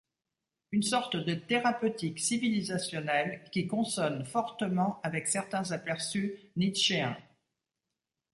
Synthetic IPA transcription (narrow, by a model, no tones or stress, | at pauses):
ynsɔʁt̪d̪ət̪eʁapøt̪iksivilizasjɔnɛlkʲikɔ̃sɔnfɔʁt̪əmɑ̃avɛksɛʁt̪ɛ̃zapɛʁsyniʃeɛ̃